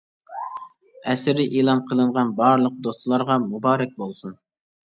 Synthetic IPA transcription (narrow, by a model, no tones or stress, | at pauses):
ɛsɪɾɪʔilˠɑnqʰəlˠɨɴʁɑnbɑɾlˠəq̚d̪ost̪lˠɑɾʁɑmubɑːɾɛk̚ʲbolˠsun